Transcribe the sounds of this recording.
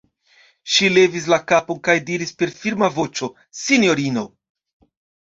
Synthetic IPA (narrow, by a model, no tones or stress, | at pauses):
ʃile̞vis̬lakapo̞nkajdiɾispe̞ɾfiɾmavo̞t͡ʃo̞ | sinjo̞ɾino̞